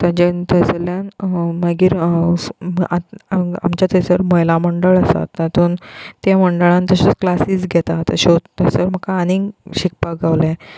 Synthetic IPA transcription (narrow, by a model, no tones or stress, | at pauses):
t̪ãd͡ʑent̪əsljanməɡiːɾ | a̰mt͡ɕat̪ʰesəɾməjlaməɳɖəɭəsa̰t̪ːãt̪ʰuːnt̪jaməɳɖəɭãnt̪əɕot͡sklasiːsɡʱɛt̪at̪əɕot̪əsəɾm̤əkaːniŋɡɕik̚paɡaʋlẽ